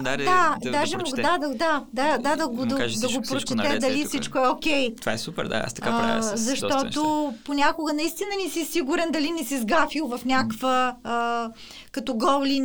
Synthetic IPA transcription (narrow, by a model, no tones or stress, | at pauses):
d̪ad̪ad̪aʒɛmoɡd̪ad̪ɐd̪ad̪ad̪ad̪ɐɡod̪ɐd̪ɐɡopɾot͡ʃɛt̪ɛd̪ɐlifsit͡ʃkoɛokʲɛj̪ova̰ɛsupɛ̰ɾd̪a̰a̰st̪ɐkkazɐʃt̪ɔt̪oponʲakʊɡənɐist̪inənisisiɡuɾɛnd̪ɐlinisizɡafilˠvɐfnʲakvə | kɐt̪ɔɡɔlˠlin